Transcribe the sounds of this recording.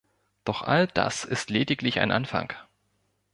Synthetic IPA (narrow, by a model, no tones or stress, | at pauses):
d̥ɔχʔa̰ld̥a̰sɪstleːdɪklɪça̰ɪnʔanfa̰ŋk